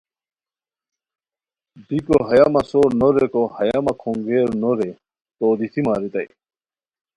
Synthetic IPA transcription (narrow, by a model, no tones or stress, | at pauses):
bikoɦɐjamɐsoːɾnoɾekohɐjamɐkʰoŋɡeːɾnoɾe | t̪oːd̪it̪ʰimaːɾit̪ɐ̰j